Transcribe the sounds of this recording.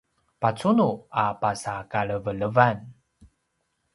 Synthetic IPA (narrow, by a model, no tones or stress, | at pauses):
pat͡sunuapasakaɭəvələvan